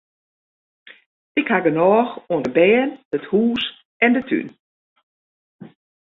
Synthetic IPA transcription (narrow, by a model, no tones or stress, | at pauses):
ɪkhaɡənɔːxoəndəbɛːnəthuːs | ɛndətʰy̰n